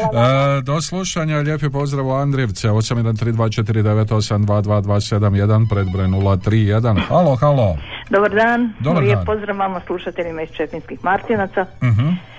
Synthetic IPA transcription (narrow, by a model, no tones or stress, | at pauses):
d̪o̞slˠuʃaɲaʎe̞ːpepo̞zd̪ɾaʋuand̪ɾeʋt̪seo̞samjed̪ant̪ɾiːd̪ʋaːt͡ʃet̪iɾid̪e̞ʋet̪o̞samd̪ʋaːd̪ʋaːd̪ʋaːse̞d̪amje̞d̪anpɾed̪bɾojnulat̪ɾiːje̞d̪anxaloxalod̪obaɾd̪aːnd̪obɾjeːnpozd̪ɾaʋʋamaslˠuʃat̪eʎimaist͡ʃet̪inskixmaɾt̪inat̪sam̩ɦ̩